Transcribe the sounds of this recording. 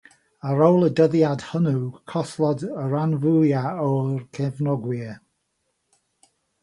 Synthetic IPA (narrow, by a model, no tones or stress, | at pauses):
əɾowlˠədəðjad̥hənukʰɔθlˠɔdəɹanvʊjaɔrkʰɛvnɔɡwɪ